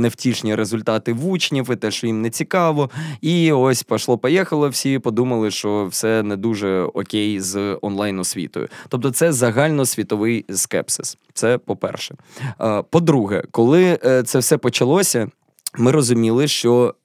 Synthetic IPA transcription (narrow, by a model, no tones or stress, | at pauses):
newtʲiʃnʲiɾezʊlʲt̪ɑt̪ɪʋut͡ʃnʲiwɪt̪ɛʃt͡ʃɔjimnɛt͡sʲikɑʋɔiɔsʲpɐʃlˠɔpɔjɛxɐlˠɪw̥sʲipɔd̪umɐlˠɪʃt͡ʃɔwsɛnɛd̪uʒɛɔ̰kʲejzɔ̰nlˠɑjnɔsʲʋʲḭt̪ɔ̰jʊ̰t̪ɔp̚t̪ɔt̪sɛzɐɦɑlʲnɔsʲʋʲit̪ɔʋɪjskɛ̰psɪs | t̪sɛpɔpɛ̰rʃɛ̥ | pɔd̪ɾuɦɛ̰kɔlˠɪt̪sɛwsɛpɔt͡ʃɐlˠɔsʲɐ | mɪɾɔzʊmʲilˠɪʃt͡ʃɔ